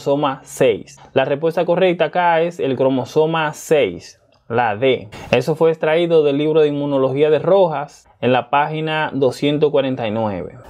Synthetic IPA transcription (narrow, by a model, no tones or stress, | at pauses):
so̞masejslarespwe̞st̪ako̞re̞k̚t̪aːkae̞se̞lkɾo̞mo̞so̞masejs | laðe̞e̞so̞fweːkst̪ɾaiðo̞ðe̞lːiβɾoðeimːuno̞lo̞xiaðe̞ro̞xas | enlapaxinaðo̞sje̞nt̪okwaɾe̞nt̪ajnwe̞̰βe̞̰